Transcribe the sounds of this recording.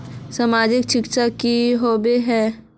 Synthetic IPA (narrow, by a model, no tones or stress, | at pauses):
samaːd͡ʒɪkt͡ʃɪkt͡ʃakiɦoːbeɦɛː